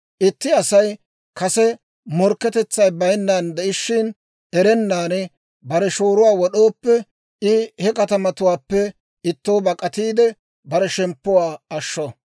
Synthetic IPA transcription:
ʔɪt̪ːɪɐsɐj | kɐsɛ | mɔɾkːɛt̪ɛt͡sːɐjbɐjnːaːnd̪ɛʔɪʃːɪn | ɛɾɛnːaːn | bɐɾɛʃoːɾʊwaːwɔɗoːpːɛ | ɪhɛkɐt̪ɐmɐt̪ʊwaːpːɛ | ɪt̪ːoːbɐkʼɐt̪iːd̪ɛ | bɐɾɛʃɛmpːʊwaːɐʃːɔ

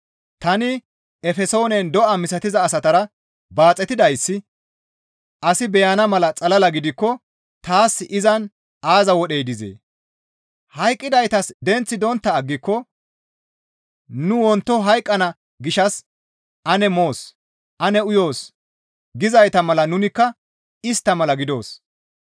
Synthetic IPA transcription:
t̪ɐnɪ | ɛfɛso̞ːnɛnd̪ɔʔɐmɪsɐt̪ɪzɐːsɐt̪ɐɾɐ | baːt͡sʼːɛt̪ɪd̪ɐjsːɪ | ʔɐsɪbɛjɐnɐmɐlɐt͡sʼɐlɐlɐɡɪd̪ɪkːɔ | t̪aːsʔɪzɐn | ʔaːzɐwɔɗejd̪ɪzḛː | hɐjkʼːɪd̪ɐjt̪ɐsd̪ɛnt͡sːɪd̪ɔnt̪ːɐːɡːɪkːɔ | nʊwɔnt̪ːɔɦɐjkʼːɐnɐ | ɡɪʃɐs | ʔɐnɛmo̞ːs | ʔɐnɛʊjo̞ːs | ɡɪzɐjt̪ɐmɐlɐnʊnɪkːɐ | ɪst̪ːɐmɐlɐɡɪd̪o̞ːs

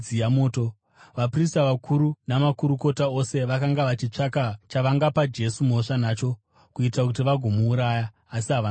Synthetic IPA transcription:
ijamoːto | ʋapris̬taʋakʰuɾunamakuɾuko̞tao̞se̞ʋakaŋɡaʋat͡ʃit͡ʂakat͡ʃaʋaŋɡapad͡ʒe̞sumo̞ʂanaːt͡ʃo̞ | kuitakut̬iʋaɡʱo̞muːɾajaː | siɦaʋa

